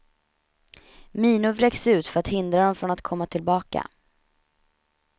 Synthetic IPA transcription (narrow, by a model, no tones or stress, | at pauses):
miːnʊvɾɛksʉ̟ːt̪fœɾat̪hɪnd̪ɾad̪ɔmfɾɔnat̪kʰɔmːat̪ʰɪlbɑːka̰